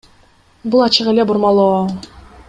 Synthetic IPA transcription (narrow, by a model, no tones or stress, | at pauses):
bulˠɑt͡ʃɯʁelebuɾmɑlˠoɑ